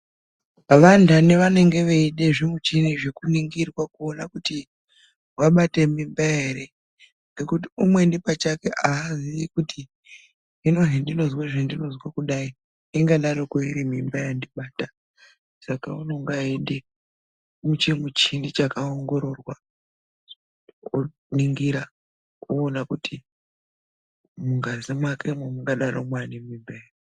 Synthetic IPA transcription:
ʋantʰaneʋane̞ŋɡe̞ʋeiɗe̞ʐemut͡ʃiniʐe̞kuniŋɡirwakuonakuti | waɓate̞mimbaeɾe | ŋɡe̞kutiumwe̞ndipat͡ʃake̞ʔaːziʋikuti | ɦino̞ɦendino̞zweʐendino̞zwakuɗai | iŋɡaɗaɾokoiɾimimbajandiɓaːta | sakauno̞ŋɡaende | mut͡ʃemut͡ʃindit͡ʃakaoŋɡo̞ɾo̞rwa | o | niŋɡiɾa | uːnakutʰi | muŋɡazimwakʰemwemuŋɡaɗaɾomwanimimbajar

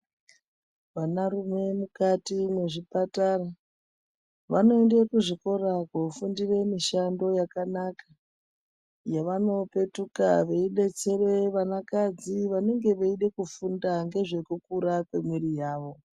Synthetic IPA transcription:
ʋanarume̞mukatimwe̞ʐipatara | ʋano̞endekuʐiko̞ɾakofundire̞miʃando̞jakanaka | jaʋano̞pe̞tuka̰ʋeiɗe̞t͡se̞re̞ʋanakad͡ziʋane̞ŋɡe̞ʋeiɗe̞kufundaŋɡe̞ʐe̞kukuɾakwe̞mwirijaːʋo̞

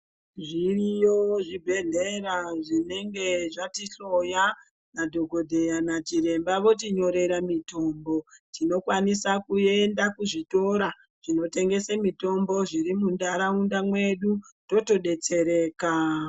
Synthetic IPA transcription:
ʐirijoʐibʱe̞ɮeɾaʐine̞ŋɡe̞ʐatiɬo̞ja | nadʱo̞ɡʱo̞dʱe̞janat͡ʃiɾe̞mbaʋo̞t̬iɲo̞ɾe̞ɾamito̞mbo̞tino̞kwanisakue̞ndakuʐito̞ɾa | ʐ̥ino̞te̞ŋɡe̞semito̞mbo̞ʐiɾimundaɾaundamwe̞ɗundo̞to̞ɗe̞t͡seɾe̞ːka

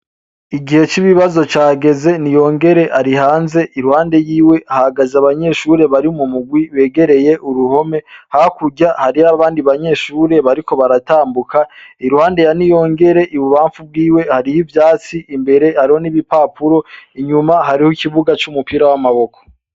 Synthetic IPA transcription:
iɡihe̞t͡ʃiβiβazo̞t͡ʃaːɡe̞ze̞nijo̞ːŋɡe̞ɾe̞ʔaɾihaːnze̞ʔiɾuhaːnde̞jiːwe̞ahaɡazaβaɲe̞ʃuɾe̞βaɾiumumuɡwiβe̞ːɡe̞ɾe̞je̞ʔuɾuho̞me̞hakuɟahaɾiaβaːndiβaɲe̞ʃuːɾe̞βaɾiko̞βaɾataːmbukʰaiɾuhaːnde̞janijo̞ːŋɡe̞ɾe̞ʔiβuβaːɱfub̚ɡiːwe̞haɾijivjaːt͡siimbe̞ɾe̞haɾiho̞niβipapʰuɾo̞iɲumaɦaɾihoikiβuɡat͡ʃumupiɾawamaβo̞kʰo̥

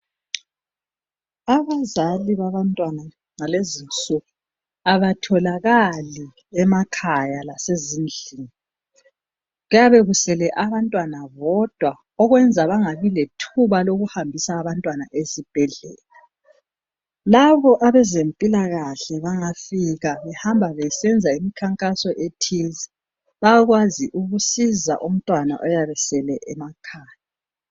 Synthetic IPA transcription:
aβazaliβaβantʼwana | ŋalezint͡sʼuɣu | aβatʰɔlaɣali | ɛmakʰajalasezind͡ɮʱiːŋi | ɣujaβeɣusɛlɛʔaβantʼwanaβɔd̥ʱwa | ɔɣwɛnd͡zʱaβaŋaβiletʰuβaloɣuhambʱisaːβantʼwanaʔezib̥ʱɛɮɛ̰ːla | laβɔʔaβɛzempʼilaɣaɬɛβaŋafiɣaβɛhambʱaβɛsɛnd͡zʱaimikʰaŋkʼasɔʔetʰiz | βaaɣwaziʔuɣusiza̰ʔum̩tʼwana̰ʔɔjaβɛsɛlɛʔɛmakʰaːja

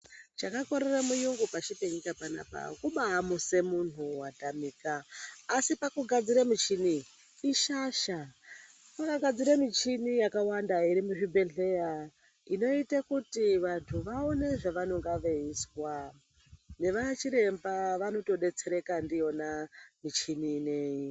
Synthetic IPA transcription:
t͡ʃakako̞ɾeramujuŋɡupaʃipeɲikapana̰ːpa̰kuɓaːmuse̞mun̤uwatamiːkaːsipakuɡʱad͡ziɾemit͡ʃiniː | ʃaʃa | pakaɡʱad͡ziɾemit͡ʃinijakawandaiɾimuɦibʱeɮe̞ja | ino̞itakutiʋantʰuʋaone̞ʐaʋano̞ŋɡaʋe̞iswa | ne̞ʋat͡ʃiɾe̞mbaʋano̞to̞ɗe̞t͡se̞ɾe̞kandijo̞namit͡ʃiniːneji

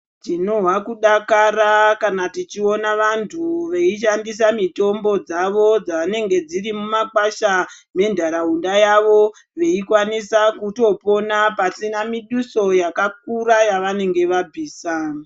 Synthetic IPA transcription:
tino̞ɦwakuɗakaɾakanatit͡ʃio̞naʋantʰuʋe̞iʃ̬andis̬amito̞mbo̞d͡zaʋo̞d͡zaʋane̞ŋɡe̞d͡ziɾimumakaʃame̞ndʱaɾaɦundajaʋo̞ | ʋe̞ikwanisakuto̞po̞napasinamiɗuso̞jakak̚uɾajaʋane̞ŋɡe̞ʋab͡vʱiːsa

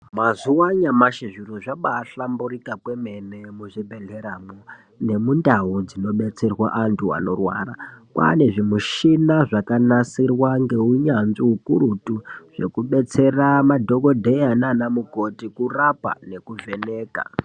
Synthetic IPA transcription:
mazuwaɲamaʃiʐiɾoʐaɓaːɬamburikakwemenemuʐibʱeɮe̞ɾamu | ne̞mundaud͡zino̞ɓe̞t͡se̞rwaʔantʰua̰no̞rwa̰ːrakwa̰ne̞ʐimuʃinaʐakanasirwaŋɡe̞uɲanʐiɦukuɾutuʐ̥e̞̰kuɓe̞t͡se̞ramadʱo̞ko̞dʱejananamuɡo̞tikurapa̰ne̞kuve̞ne̞ːka̰

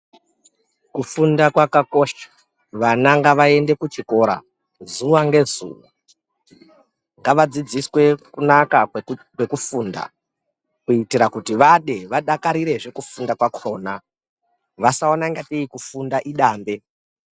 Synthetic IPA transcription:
kufundakwakako̞ʃḁ | ʋanaŋɡaʋae̞nde̞kut͡ʃiko̞ɾa̰ | zuʋaŋɡe̞zṵːwa | ŋɡaʋad͡zid͡ziswe̞kunaka | wekufuːnda̰ | kuitiɾakutiʋaɗe̞ʋaɗakaɾiɾe̞ʐe̞kufundakwakro̞ːna | ʋasaonaŋɡateikufundaʔiɗaːmbe̞

